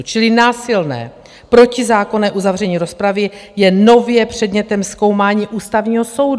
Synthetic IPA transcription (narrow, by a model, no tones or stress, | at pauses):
t͡ʃɪlɪnaːsɪlnɛ̰ː | pɾo̞cɪzaːko̞nɛːʔuzavr̝ɛɲiːɾo̞spɾavɪjɛno̞vjɛpr̝̥ɛdɲɛt̪ɛmsko̞wmaːɲiːʔuːst̪avɲiːɦoso̞wd